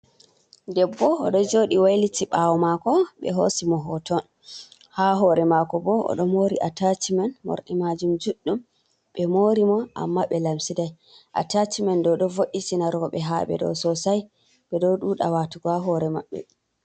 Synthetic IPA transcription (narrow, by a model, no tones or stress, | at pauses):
dɛbːɔːɗɔd͡ʒoːɗiwajlitʰiɓawɔmakɔɓɛ̰ɦosimɔɦɔtɔn | haɦɔɾɛmakɔbɔɔ̰ɗɔmoɾiʔatat͡ʃimanmɔ̰ɾɗimad͡ʒumd͡ʒuɗːum | ɓɛmoɾimɔʔa̰mːaɓɛlamsidaj | ʔa̰tat͡ʃimandɔɗɔvoʔːisinaɾɔɔɓɛɦaɓɛ̰ɗɔ̰sɔsaj | ɓɛdɔɗuɗawatuɡɔaɦɔɾɛmaɓːɛ̰